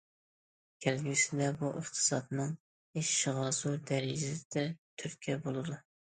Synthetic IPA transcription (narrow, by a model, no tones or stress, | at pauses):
kʲʰɛlɡʲysɪd̪ɛbuʔəχt̪ʰɨ̥sɑd̪nɨŋ | eʃʃɨʁɑsuɾd̪æɾɪd͡ʒɪsd̪ɛt̪ʰyɾkʲʰɛbolˠɨd̪u